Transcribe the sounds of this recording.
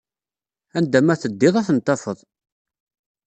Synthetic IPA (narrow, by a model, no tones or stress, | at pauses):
ænd̪æmæθəd̪ːɪðˤæθənt̪ːɑfəðˤ